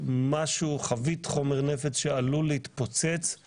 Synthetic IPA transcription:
maʃuχavit̪χo̞me̞ʁnefet͡sʃealulehit̪pot͡se̞t͡s

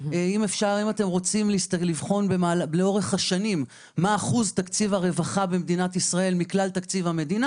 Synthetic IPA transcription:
ime̞fʃaʁimat̪e̞mʁo̞t͡simlist̪alivχo̞nbemaːlbleo̞ʁe̞χhaʃanimː | aːχuzt̪akt͡sivaʁe̞vaχabemd̪inat̪isʁae̞lmiklalt̪akt͡sivame̞d̪ina

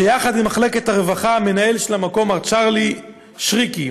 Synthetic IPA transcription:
ejaχad̪imaχle̞ke̞t̪haʁevaχame̞naelʃelamako̞maʁt͡ʃaʁli | ʃʁiki

